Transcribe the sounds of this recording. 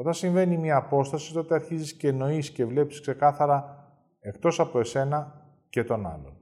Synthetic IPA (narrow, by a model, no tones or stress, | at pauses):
ot̪ɐnsiɱve̞nimɲɐːpo̞st̪ɐsi̥t̪oot̪e̞ɐɾçizisce̞no̞isce̞vle̞pi̥skse̞kɐθɐɾɐ | e̞kt̪o̞sɐpo̞e̞se̞nɐ | ce̞t̪o̞nɐ̰lo̰